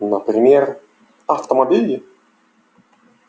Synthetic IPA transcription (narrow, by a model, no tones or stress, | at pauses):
nəpɾʲɪmʲer | ɐft̪əmɐbʲilʲɪ